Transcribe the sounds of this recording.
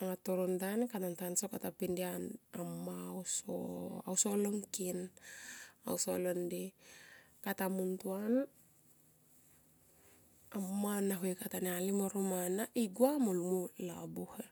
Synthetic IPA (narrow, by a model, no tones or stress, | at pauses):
aŋatoɾontanekanantansokatapindianamːawso̰a̰wsoloŋkin | a̰wsolondi | katamuntuan | amːanaɦuekatanealimoɾomanaʔiɡuamoluŋulabuhe